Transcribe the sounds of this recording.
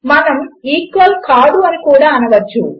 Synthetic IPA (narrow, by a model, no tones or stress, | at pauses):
mɐnɐmiːkːɐlkaːɽuɐnikuːɽaːɐnɐʋɐt͡ʃːṵ